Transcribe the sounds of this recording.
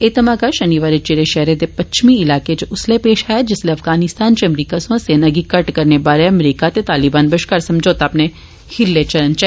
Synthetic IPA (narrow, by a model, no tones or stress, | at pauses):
eːt̪ɐmaːkaʃɐniʋaːɾit͡ʃeːɾeʃɛɦɾet̪epɐt͡ʃmiɪlaːket͡ʃʊslepeːʃaːɛjad͡ʒɪsleɐfɡaːnɪst̪aːnt͡ʃeɐmɾiːkasõsenɐɡikɐʈkɐɾnebaːɾeɐmɾiːkat̪et̪aːlɪbaːnbɐʃkaɾsɐ̃md͡ʒʱoːt̪aːpne | hɪɾlet͡ʃɐɾənt͡ʃɛ